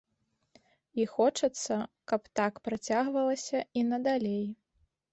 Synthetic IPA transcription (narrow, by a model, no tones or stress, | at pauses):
ixɔt͡ʂɐt̪sːɐkɐpt̪akpɾat͡sʲaɣvɐlˠɐsʲɐinɐd̪alʲej